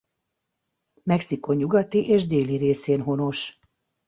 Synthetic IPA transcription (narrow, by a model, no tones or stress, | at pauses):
mɛksiko̞ɲːuɡɒt̪iʔeːʒd̪eːliɾeːseːnɦo̞no̞ʃ